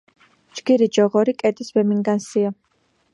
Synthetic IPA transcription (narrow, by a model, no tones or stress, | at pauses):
d͡ʒɡiɾid͡ʒɔʁɔɾikʼɛd̪ʼisvɛmiŋɡansia